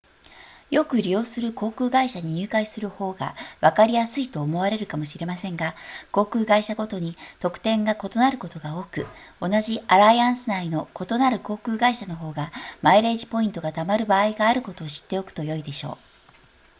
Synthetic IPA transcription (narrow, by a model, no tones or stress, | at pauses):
jo̞kɯ̟ɾʲijo̞ːsɨɾɯ̟ko̞ːkɯ̟ːɡaiɕaɲ̟iɲ̟ɨːkaisɨɾɯ̟ho̞ːɡa̰βakaɾʲijasɨit̪o̞ːmo̞aɾe̞ɾɯ̟kamo̞ɕiɾe̞masẽ̞ŋɡako̞ːkɯ̟ːɡaiɕaɡo̞t̪o̞ɲ̟it̪o̞kɯ̟̥t̪ẽ̞ŋɡako̞t̪o̞naɾɯ̟ko̞t̪o̞ɡao̞ːkɯ̟o̞naʑiaɾajãɰ̃sɨnaino̞ko̞t̪o̞naɾɯ̟ko̞ːkɯ̟ːɡaiɕano̞ɦo̞ːɡamaiɾe̞ːʑipo̞ĩnt̪o̞ɡat̪amaɾɯ̟baːiɡaːɾɯ̟ko̞t̪o̞ːɕi̥t̪ːeo̞kɯ̟̥t̪o̞jo̞id̪e̞ɕo̞̰ː